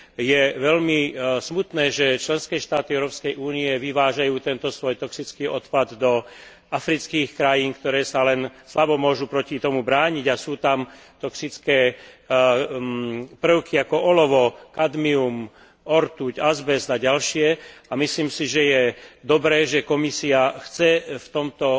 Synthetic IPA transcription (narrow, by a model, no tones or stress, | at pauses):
jɛʋɛʎmismut̪nɛːʒɛt͡ʃlɛnskɛːʃt̪aːt̪iɛʊɾɔːpskɛjʔuːniɛʋiʋaːʒajuːt̪ɛnt̪ɔsʋɔjt̪ɔksit͡skiːɔt̪pad̪ːɔ | afɾit͡skiːxkɾajiːnkt̪ɔɾɛːsalɛnslabɔmʊɔʒupɾɔcit̪ɔmubɾaːɲiɟasuːt̪am | t̪ɔksit͡skɛː | pr̩ʊkʰiakɔʔɔlɔʋɔkad̪mium | ɔɾt̪uɟazbɛzaɟalʃɪɛamisliːmsiʒɛjɛd̪ɔbɾɛːʒɛkɔmisiaxt͡sɛft̪ɔmt̪ɔ